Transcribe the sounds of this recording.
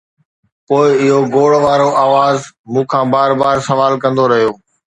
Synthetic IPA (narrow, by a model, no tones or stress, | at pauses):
poːɪɪɦoɡoːɽʋaːɾoʔaːʋaːzmũːkʰãːbaːɾbaːɾsɐʋaːlkɐ̃nd̪oɾɐɦijoː